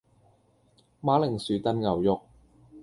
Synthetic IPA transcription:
maː˨˥lɪ˨˩ŋsyː˨˧t̪ɐ˥nŋɐ˨wjʊ˥k̚

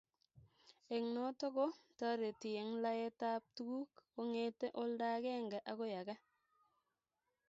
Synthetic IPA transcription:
e˨ŋno˦to˦ɡo˦ta˦ɾe˨ti˨je˨ŋla˦je˦ta˦p̚tu˦ɡu˦ko˦ŋe˦te˦ʔo˦lda˦ɡe˦ŋɡa˨ʔa˨˦ko˦ja˨ɡa˦

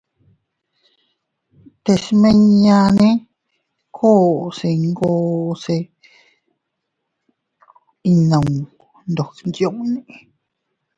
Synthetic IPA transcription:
t̪e˧˨smẽ˧ɲɲã˧nẽ˦ | kʰo˦se˨ŋɡoː˧se˧ | i˧nə̃˨ŋ | nd̪o˨knd͡ʒjo˦˨ŋnẽ˨ʔ

